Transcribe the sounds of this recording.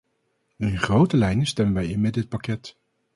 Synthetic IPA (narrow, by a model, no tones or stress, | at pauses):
ənχrowtəlɛjnəstɛmənʋɛjɪnmɛdɪət̚pakɛt